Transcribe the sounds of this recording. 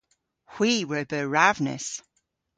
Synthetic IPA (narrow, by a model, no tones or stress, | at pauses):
hw̥iːɹəbəɹavnə̰s